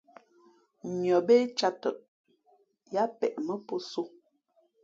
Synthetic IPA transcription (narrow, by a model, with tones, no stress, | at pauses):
mjɔ˨be˦t͡ʃa˦tə˦˨ʔ | ja˦pɛ˨ʔmə˦po˦so˦